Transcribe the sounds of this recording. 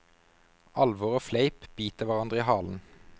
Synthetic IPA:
ɑlʋɔʁoːfleɪpb̥yːt̪əʋæʁɑnd̪ʁəiːhɑːln̩

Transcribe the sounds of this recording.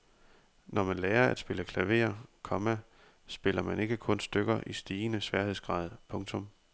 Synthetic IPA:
nɒmænlɛːɐæd̥sb̥e̝ləkʰlæʋe̝̰ːɐkʰɒ̽mæ | sb̥e̝lɐmæne̝ɡ̥əkʰɔ̽nsd̥øɡ̥ɐʔisd̥iːnəsʋɛɐheðˠsɡ̥ʁɑ̰̈ːð̞ˠpʰɔ̽ŋt͡sʰɔ̽m

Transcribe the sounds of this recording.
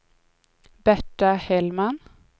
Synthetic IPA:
b̥æʈɑhɛlmɑn

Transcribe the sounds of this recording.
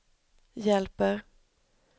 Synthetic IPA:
jɛlpəɾ

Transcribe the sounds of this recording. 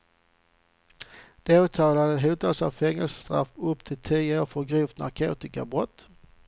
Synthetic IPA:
d̪̥eːʉt̪ʰɑːlad̪əɦeːt̪ʰɑlsɑ̰ːʋfɛŋəlsə̥st̪ʁɑ̰fʊpt̪ʰɪt̪ʰiːəoːʁfɔɡʁiːft̪nɑ̰ʁkʰʉ̰ːt̪ɪkə̰bʁɔt̪

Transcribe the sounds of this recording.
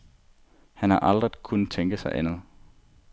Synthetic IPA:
hænhɑ̈ʔɑ̈ld̥ʁiðˠkʰunð̩ˠt͡sʰeŋɡ̥əsɑ̈ɪʔænð̩ˠ

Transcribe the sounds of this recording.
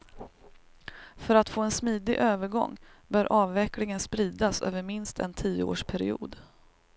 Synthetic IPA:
fœɾat̪foːɛnsmiːd̪ɪʔøːvəɾɡɔ̰ŋːbœːɾʔɑːvːɛklɪŋənspɾiːd̪asø̰ːvəɾmɪnst̪ʰɛ̰nt̪ʰiːəo̰ːʂpʰæɾɪ̰ṵːd̪

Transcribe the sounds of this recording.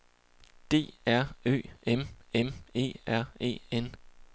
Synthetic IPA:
d̥e̝̰ːæɐ̰ø̰ːememe̝̰ːæɐ̰e̝̰ːen

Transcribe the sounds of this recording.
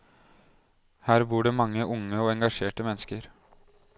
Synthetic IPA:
hæːɾbuːɖeːmɑŋːəʔʊŋəoːɛŋɡɑʃeːʈəmɛnəskəɾ

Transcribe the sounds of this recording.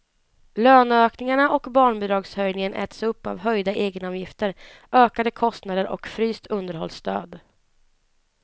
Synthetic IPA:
løːnøːknɪŋaɳaʔɔkbɑːɳbʊd̪ɾɑːɡshœjnɪŋənʔɛ̰ːt̪sɵpːa̰vɦœjd̪aʔeːɡənɑːvjɪft̪əɾ | ʔøːkad̪əkʰɔst̪nad̪əɾʔɔ̰kfɾyːst̪ʰɵnd̪əɾhɔ̰lst̪øːd̪

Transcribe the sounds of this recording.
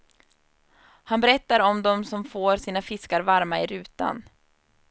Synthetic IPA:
hanbɛɾɛt̪ːaɾɔmd̪ɔmsɔmfoːɾsiːnafɪskaɾvaɾmaɪɾʉ̟ːt̪a̰n

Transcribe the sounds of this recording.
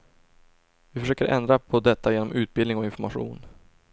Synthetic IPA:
vɪfœʂøːkəɾʔɛ̰nd̪ɾapʰɔd̪ɛt̪ːajeːnɔmʔʉ̟ːt̪̚bɪlnɪŋɔɪnfɔɾmaɧṵːn

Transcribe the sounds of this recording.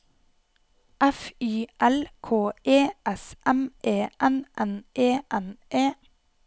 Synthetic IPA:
ʔæfyːʔɛlkʰoːeːʔɛsʔɛmʔeːʔɛnʔɛnʔeːʔɛnʔeː

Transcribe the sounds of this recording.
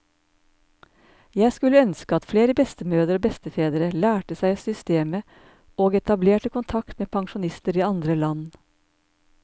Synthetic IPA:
jæɪskʉləœnskəɑt̪fleːɾəbɛst̪əmøːd̪əɾoːbɛst̪əfeːd̪əɾəlæːʈəsæɪsʏst̪eːmə | oːɡɛt̪ɑbleːʈəkʰʊnt̪ʰɑkt̪meːpʰɑŋʃʊnɪst̪əɾiːɑnd̪ɾəlɑn

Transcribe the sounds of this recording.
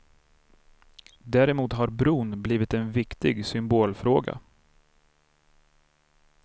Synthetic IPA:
d̪æːɾɛmuːt̪ɦaɾbɾuːnbliːvɪt̪ɛnvɪkt̪ɪɡsʏmboːlfɾoːɡa̰

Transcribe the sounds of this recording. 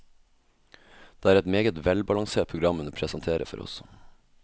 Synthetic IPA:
d̪̥eːæːɾɛt̪meːɡət̪ʋɛlbɑlɑŋseːʈ̚pʰɾʊɡɾɑmənəpʰɾɛsənt̪ʰeːɾə̰fɔ̰ɾɔ̰s

